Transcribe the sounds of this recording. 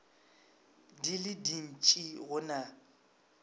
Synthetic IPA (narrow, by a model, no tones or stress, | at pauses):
dilɪdin̩t͡ʃʼiɣʊna